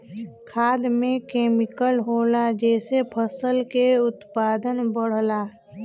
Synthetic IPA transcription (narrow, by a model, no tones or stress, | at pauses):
kʰaːd̪mẽkeːmɪkəlɦoːlad͡ʒɛːsepʰəsəlkeʊt̪paːd̪ənbəɽ̤laː